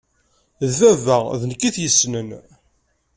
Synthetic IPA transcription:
ðvævæʁðnkːiθjəsːnən

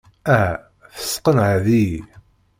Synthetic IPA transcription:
æɦæ | θə̥sqənʕaðii

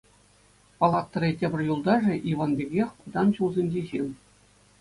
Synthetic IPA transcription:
pɑlˠɑt̪ːɤ̆rʲetʲɘ̆bʲɘ̆rʲjulˠd̪ɑʐɘ̆ʔiʋɑnbʲeɡʲexʲkud̪ɑnɕulˠzʲenʲd͡ʑeʑilʲˠ

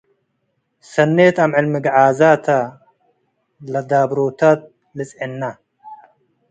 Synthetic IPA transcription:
sɐnːet̪amʕɨlmɨɡʕaːzat̪ʰa | lɐd̪aːbɾot̪ʰat̪̚ | lɨt͡sʼʕinːa

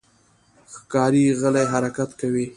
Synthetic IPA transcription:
xkɑɾiɣəlajɦaɾakat̪kawi

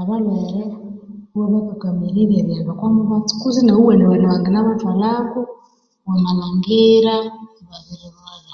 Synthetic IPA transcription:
aβaβeɾewaβakaɡamiɾiɾeɾjeβakwamuβatu̥kuzinauweneweneβaːŋɡenaβatwalaku | wamalaŋɡiɾa | βaβiɾiβala

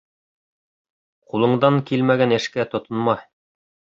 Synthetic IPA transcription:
qulˠɤ̆ɴd̪ɑŋkilmæɡænɘ̆ʃkæt̪ŏt̪ŏnmɑ

